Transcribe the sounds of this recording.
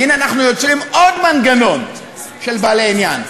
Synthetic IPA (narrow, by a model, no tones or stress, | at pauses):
inanaχnujot͡simʔodmanɡano̞n | ʃelbaleinjan